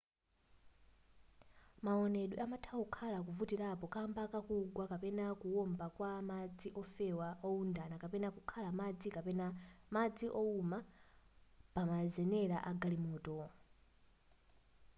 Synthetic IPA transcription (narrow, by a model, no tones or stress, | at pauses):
maɔnɛɗwiʔamatʰaukʰalakuvutiɾapɔkambakakuɡwakapɛnakuwɔmbakwamad͡ziʔɔfɛwaʔɔundanakapɛnakukʰalamad͡zikapɛnamad͡ziʔɔuma | pamazɛnɛɾa̰ʔaɡalimɔːtɔ